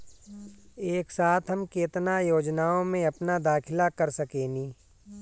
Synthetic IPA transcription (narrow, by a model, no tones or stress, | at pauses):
eːksaːt̪ʰɦɐmkeːt̪najoːd͡ʒnaːõmẽɐpnad̪aːkʰɪlakɐɾsɐkeːniː